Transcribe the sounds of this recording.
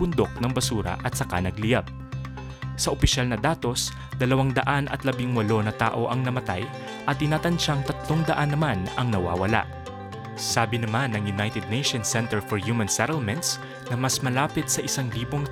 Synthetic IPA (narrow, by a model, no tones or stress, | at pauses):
b̥ʊnd̪o̞k̚nɐŋbɐsuːɾɐ̰ʔɐt̪̚sɐka̰nɐɡ̚lɪjab̚ | sɐʔopɪʃalnɐd̪aːt̪o̞s | d̪ɐlɐwaŋd̪ɐʔanʔɐ̰t̪lɐbɪŋwɐlo̞nɐt̪aːʔo̞ʔɐŋnɐmɐt̪a̰j | ʔɐt̪ːɪnaːt̪ɐnt͡ʃaŋt̪ɐt̪lo̞ŋd̪ɐʔanːɐmanɐŋnɐwa̰ːwɐ̰la̰ʔ | saːbɪnɐmanɐŋjʊnajt̪ɛd̪̚nejʃonsɛnt̪ɛɹfɔɹjuːmɐ̃nsɛɾɛlmɛ̃nt̪s | nɐmɐsmɐlaːpɪt̪sɐʔɪsaŋliːbo̞ŋ